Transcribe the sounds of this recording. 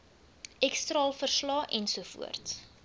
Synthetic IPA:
ʔɛkstrɑːlˠfərslɑːʔɛnsuəfṵərts

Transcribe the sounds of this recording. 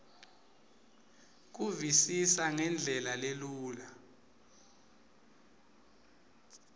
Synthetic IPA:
k̬uvisisaŋɛnd͡ɮʱɛlaleluːla

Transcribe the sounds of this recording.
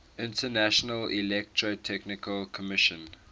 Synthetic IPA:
ɪ̃ntʰənæʃənəlilɛk̚tʰɹotʰɛknɪkəlkʰɔmɪʃə̃n

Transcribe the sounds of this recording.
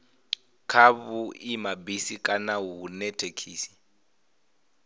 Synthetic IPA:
kʰaβuʔimabisikʼanawuːnɛtʰekʰiːsi̥

